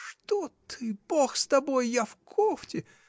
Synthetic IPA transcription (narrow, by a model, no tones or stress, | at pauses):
ʂt̪ott̪ʰɨb̥oxst̪ɐbojːafkʰoftʲɪ